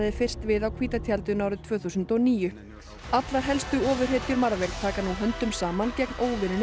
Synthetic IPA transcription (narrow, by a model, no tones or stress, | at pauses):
ðɪfɪr̥st̪vɪðawkʰviːt̪at̪ʰjalt̪ʏnaːwɾʏt̪ʰv̥œːθusʏnt̪ɔniːjʏ | at̪laɾ̥ɦɛlst̪ʏɔːvʏr̥ɦeːt̪jʏɾmaɾvɛɾt̪ʰaːkanuɦœnt̪ʏmsaːmancɛknoːwvɪnɪn